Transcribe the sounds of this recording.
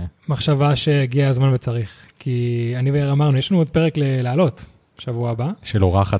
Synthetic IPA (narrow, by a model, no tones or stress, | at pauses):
maχʃavaʃe̞ːɡiaːzmanvet͡saʁiχkʰianiveeʁamaʁnujeʃlanuod̚peʁeklelealo̞t | ʃavuaːbaʃeloʁaχa